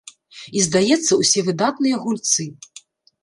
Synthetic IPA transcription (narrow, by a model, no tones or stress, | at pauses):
izd̪ajɛt̪sːɐwsʲɛvɨd̪at̪nɨjɐɣulʲt̪sɨ